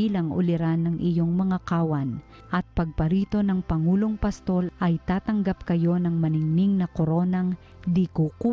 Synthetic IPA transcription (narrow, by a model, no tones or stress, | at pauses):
iːlɐŋʔʊ̰lɪɾanːɐŋʔɪjo̞ŋmɐŋakaːwɐn | ʔɐt̪̚pɐɡ̚pɐɾiːt̪o̞nɐŋpɐŋuːloŋpɐst̪o̞lʔɐjt̪aːt̪ɐŋɡap̚kɐjo̞nɐŋmɐnɪŋniŋnɐkoɾo̞nɐŋ | d̪ikuku